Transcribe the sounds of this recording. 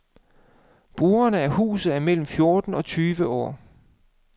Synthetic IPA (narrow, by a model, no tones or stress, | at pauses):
b̥ʁuːɐnəæɐhṵːsð̩ˠæɐmel̰m̩fjo̝ɐd̥n̩ɒ̽t͡sʰyːʋəʔɒ̰ː